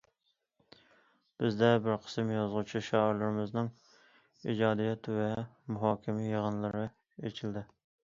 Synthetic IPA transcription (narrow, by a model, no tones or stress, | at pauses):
b̥ɪzd̪ɛbɪɾqʰə̥smjɑzʁut͡ʃʰiʃɑɪɾlˠɨɾɪmɪznɨŋ | ḭd͡ʒɑːd̪ijɛt̪ʰvɛmuɦɑːkʲʰɪmijəʁənlˠɨɾɨ | et͡ʃʰild̪ɪ